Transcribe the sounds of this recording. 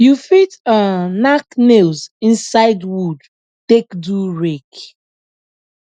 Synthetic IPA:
jufitanaknelzĩnsaɪdwud | tekduɹek

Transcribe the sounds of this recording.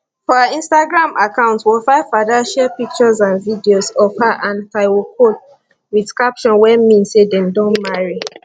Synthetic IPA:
fɔaĩnstaɡɹãmʔakãʊ̃ntwilfaɪfadaʃɛpik̚t͡ʃazãnvidiosɔfaʔãntaɪwokol | widskapʃɔ̃nwɛmĩnsedɛ̃ndɔ̃nmaɹi

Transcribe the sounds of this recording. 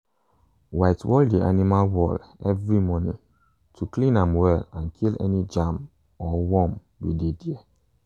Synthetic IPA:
waɪtwɔldiʔa̰nimalwɔlɛvɹimɔnḭ̃ | tʰuklĩnãmwɛlãnkʰilɛ̰nid͡ʒãm | ɔwɔm | widediɛ

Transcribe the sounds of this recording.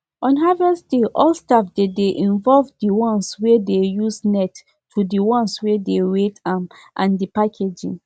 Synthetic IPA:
ɔ̃nɦavɛsdeʔɔlstafdedeʔĩnvɔlvdiwɔ̃nswɛdejusnɛt | tʰːudiwɔ̃nswɛdeɹetamʔãndipakʰed͡ʒḭ̃n

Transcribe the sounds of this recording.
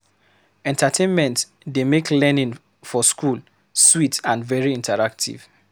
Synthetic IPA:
ɛ̃ntʰatʰẽnmɛ̃nt | demeklɛnĩn | fɔskʰul | switãnvɛɹiĩntʰəɹak̚tʰḭv̥

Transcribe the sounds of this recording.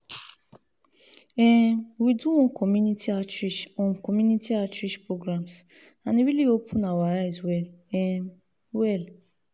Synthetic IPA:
ɛwiduwɔ̃kʰɔmunitiat͡ʃɾiʃɔ̃nkɔmjunitʰiat͡ʃɾiʃpɹoɡɾams | anĩɾiliopʰũnawaɾaɛswɛlɛm | wɛl

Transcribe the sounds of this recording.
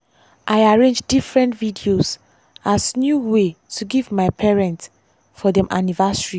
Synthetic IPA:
ʔaɪaɹẽnd͡ʒdifɹɛ̃ntvidioz | asnjuwetʰuɡivmaɪpʰɛɹɛ̃nt | fɔdɛ̃mʔa̰nivasɹi

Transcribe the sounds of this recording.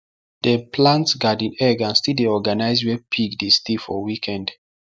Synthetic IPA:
dəpʰlãntsɡadĩnɛɡãnstideɔɡanaɪswɛpʰiɡdistifɔwikʰɛ̃nd

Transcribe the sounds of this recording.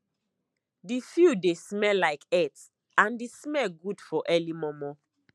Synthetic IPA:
difjudesmɛlaɪkɛt | ãndismɛlɡudfɔʔɛlimɔmɔ

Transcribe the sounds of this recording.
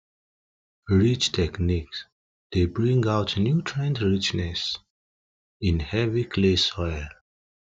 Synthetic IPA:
ɹit͡ʃtʰɛkniks | d̪̥ebɹĩŋaʊtnjutʰɹɛ̃ndɹit͡ʃnɛs | ĩnhɛvikʰlesɔɪl

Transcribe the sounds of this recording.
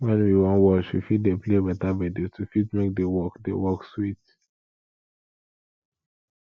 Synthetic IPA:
wɛ̃nwiwɔ̃nwɔt͡ʃwifitdeplebɛtabɛditufitmek̚dewɔkdewɔkswit

